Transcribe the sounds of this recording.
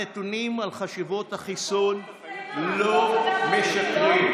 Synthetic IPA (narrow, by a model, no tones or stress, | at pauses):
etunimalχaʃivo̞thaχison | lomeʃakʁim